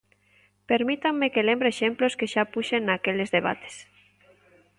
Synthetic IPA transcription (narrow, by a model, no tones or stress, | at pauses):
peɾmit̪aŋːekelembɾeʃemploskeʃapuʃenːakelezðeβ̞a̰t̪e̥s